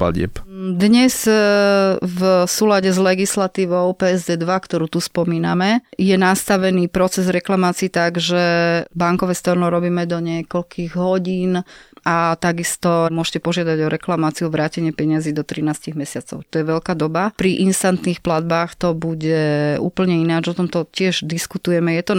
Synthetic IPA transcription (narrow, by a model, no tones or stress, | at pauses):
pa̰ɟɪɛ̰pd̪ɲɛz | vsuːlaɟɛzlɛɡislat̪iːʋɔʊpɛːɛzd̪ɛːd̪ʋakt̪ɔɾuːt̪uspɔmiːnamɛjɛnast̪aʋɛniːpɾɔt͡sɛzɾɛklamaːt͡siːt̪aɡʒɛbaŋkɔʋɛst̪ɔɾnɔɾɔbiːmɛd̪ɔɲɪɛkɔʎkʰiɣɦɔɟiːnat̪aɡist̪ɔmʊɔʒcɛpɔʒɪad̪aɟɔɾɛklamaːt͡siuɔʋɾaːcɛɲɪɛpɛɲaziːd̪ɔt̪ɾinaːsciɣmɛsɪat͡sɔ̰ʊt̪ɔjɛʋɛʎkaːd̪ɔbapɾiʔinst̪ant̪niːxplad̪̚baːxt̪ɔbuɟɛṵːpl̩ɲɛinad͡ʒɔt̪ɔmt̪ɔcɪɛʒd̪iskut̪ujɛmɛjɛt̪ɔ